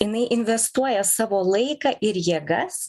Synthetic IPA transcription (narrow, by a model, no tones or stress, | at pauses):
jɪnɐɪʔɪnʲʋʲɛst̪uɔjɛsɑːʋoːlˠɐɪkɑːʔɪɾjiɛɡɐs